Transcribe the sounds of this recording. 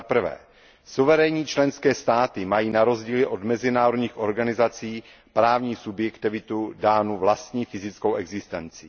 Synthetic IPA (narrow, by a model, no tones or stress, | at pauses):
apr̩vɛ̰ː | suvɛɾɛɲiːt͡ʃlɛnskɛːst̪aːt̪ɪmajiːnaɾo̞zɟiːlɪʔo̞d̪mɛzɪnaːɾodɲiːxo̞ɾɡanɪzat͡siː | pɾaːvɲiːsubjɛkt̪ɪvɪt̪udaːnuvlast̪ɲiːfɪzɪt͡skowʔɛɡzɪst̪ɛnt͡sɪ